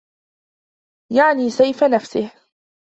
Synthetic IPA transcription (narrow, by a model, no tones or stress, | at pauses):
jaʕniːsajfanafsɪh